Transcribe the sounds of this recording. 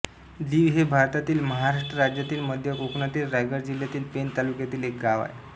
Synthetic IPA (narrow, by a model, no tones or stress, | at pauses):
d̪iːʋɦebʱaɾt̪at̪iːlməɦaɾaʂʈɾəɾad͡ʑjat̪iːlməd̪ʱjəʔoknat̪iːlɾajɡəɾd͡ʑiljat̪iːlpent̪alukjat̪iːlek̚ɡaʋa̰j